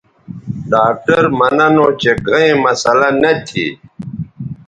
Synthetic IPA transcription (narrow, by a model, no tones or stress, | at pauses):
ɖaːk̚ʈəɾmɐnɐnõːt͡ɕeɡʱɐẽmɐsɐlanɐt̪ʰḭ